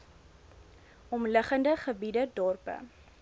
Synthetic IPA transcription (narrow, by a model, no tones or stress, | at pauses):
ɔmləχəndəχəbidədɔrpə̰